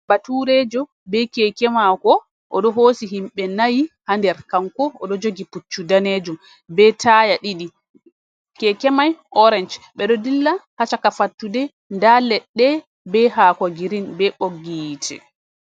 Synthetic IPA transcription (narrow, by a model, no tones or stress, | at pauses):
batuɾɛd͡ʒɔ | bɛkɛkɛmakɔ | ʔɔɗɔɦoːsiɦimɓɛnajihandɛɾkaŋkɔɔɗɔd͡ʒoɡiput͡ʃːudaned͡ʒum | bɛtʰajaɗiɗi | kɛkɛmajʔɔɾɛnd͡ʒɓɛɗɔdilːahat͡ʃakafatːudɛ | ndalɛɗːɛ | bɛɦaːkɔɡiɾinbɛɓoɡitʰɛ̰